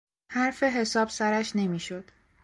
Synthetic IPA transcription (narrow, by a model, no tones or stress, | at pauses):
hæɾfe̞ɦe̞sɒːb̥sæɾæʃne̞miːʃod̪̥